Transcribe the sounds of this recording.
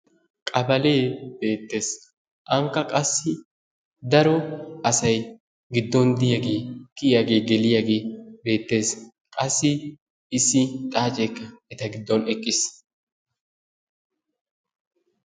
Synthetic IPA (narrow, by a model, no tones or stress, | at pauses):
kʼɐbɐle̞ːb̥e̞ːt̪ːe̞ːs | ʔɐŋkːɐkʼɐsːɪ | d̪ɐɾɔɐsɐj | ɡɪd̪ːɔnd̪ɪjaɡe̞ːkɪjaɡe̞ːɡɛlɪjaɡe̞ːbe̞ːt̪ːe̞ːs | kʼɐsːɪː | sːɪt̪ʼaːt͡ʃʼekːɐɛt̪ɐɡɪd̪ːɔnɛkʼːɪs